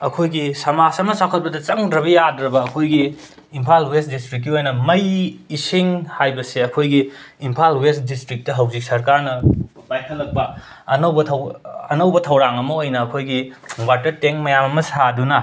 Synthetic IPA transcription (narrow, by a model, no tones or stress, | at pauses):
ɐkʰojɡisɐmasɐmɐsakʰɐt̚pbɐdɐt͡ʃɐŋdɾɐβɐjadɾɐbɐːkʰojɡiː | mpʰalwestdistɾik̬ːiojnɐmɐjisiŋhajbɐseɐkʰojɡiimpʰalwesdistɾik̚tɐɦɐwzik̚sɐɾkaɾnɐ | pajkʰɐlːɐk̚pɐɐnɐwbɐtʰɐwɐnɐwbɐtʰɐwɾaŋɐmɐojnɐːkʰojɡiwatɐteŋmɐjamɐmɐsadunɐ